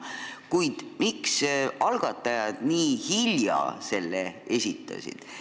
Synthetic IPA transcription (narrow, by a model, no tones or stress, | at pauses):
kujd̪̥miksɑlɡ̥ɑt̪ːˑɑjɑd̪̥niːhiljɑ̰se̞lːeesʲit̪ˑːɑ̰sḭd̪̥